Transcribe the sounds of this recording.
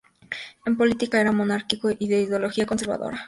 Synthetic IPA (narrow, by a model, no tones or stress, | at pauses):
empo̞lit̪ikae̞ɾamonaɾkikoʔiðeiðjolo̞xiako̞nse̞ɾβa̰ðo̰ɾa